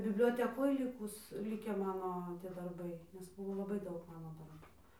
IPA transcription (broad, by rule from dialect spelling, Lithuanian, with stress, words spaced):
bʲɪbʲlʲoːtʲɛˈkoːj ˈlʲɪkʊs ˈlʲɪkʲæː ˈmɑːnoː tʲiɛ dɐrˈbɐɪ nʲɛs ˈbʊʋoː lˠɐˈbɐɪ ˈdɐʊk ˈmɑːnoː dɐrˈbʊ